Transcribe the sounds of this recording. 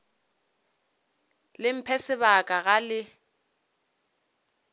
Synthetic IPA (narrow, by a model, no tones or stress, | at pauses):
lɪm̩pʰɛsɪbakʼaɣalɪ